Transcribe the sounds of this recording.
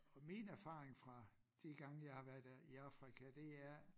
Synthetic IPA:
ɒ̽minæɐfɑ̰̈ːʁeŋfʁɑ̈ | d̥iɡ̥ɑ̈ŋəjɑ̈ɪhɑʋæɐd̥ˠæiɑ̈fʁikʰæd̥e̝æɐ

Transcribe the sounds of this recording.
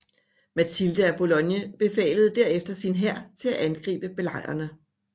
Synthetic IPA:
mæt͡sʰild̥əæb̥o̝lɔ̽njəb̥e̝fɛ̰ːləð̞̩ˠd̥æɐ̰efd̥ɐsinɦæɐ̰t͡sʰe̝læʔænɡ̥ʁḭːb̥əb̥e̝lɑ̈ɪ̰ɐnə

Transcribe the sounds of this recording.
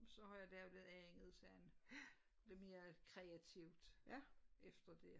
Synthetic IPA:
sɒ̽hɑ̈jɑ̈d̥æɐ̥leð̩ˠæeŋəð̩ˠsæn | eme̝ːɐkʰʁɛæt͡sʰiʊ̰d̥ | efd̥ɐd̥e̝

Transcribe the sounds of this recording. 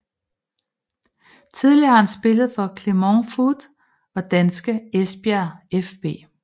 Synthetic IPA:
t͡sʰið̞ˠliɐhɑhænsb̥e̝ləð̞̩ˠfɒ̽kʰle̝moŋfudˠ | ɒ̽d̥ænsɡ̥əesb̥æɐefb̥e̝̰ː

